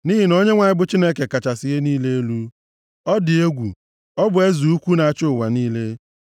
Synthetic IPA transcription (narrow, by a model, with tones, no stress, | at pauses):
ni˦ɦi˨no˦ɲe˦ŋʷa˨ɲɪ˦bʊ˦t͡ʃi˦ne˦ke˨ka˨t͡ʃa˨sɪ˦ɦe˦niː˦le˦e˦lu˦ | ɔ˦dɪ˨e˦ɡʷṵ˨ | ɔ˦bʊ˨e˦zu˨u˦kʷu˦na˨a˨t͡ʃʊ˦ʊ˨wa˨niː˦le˦